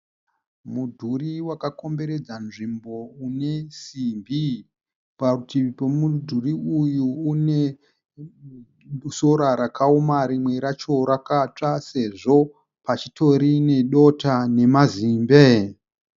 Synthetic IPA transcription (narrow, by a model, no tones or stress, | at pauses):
mudʱuriwakako̞mbe̞ɾe̞d͡zanʐimbo̞une̞siːmbi | pautipomudʱuriujuːne̞ | soɾaɾakʰaumaɾimwe̞ɾat͡ʃo̞ɾakat͡ʂase̞ʐo̞ | pat͡ʃito̞ɾine̞ɗo̞tane̞maziːmbe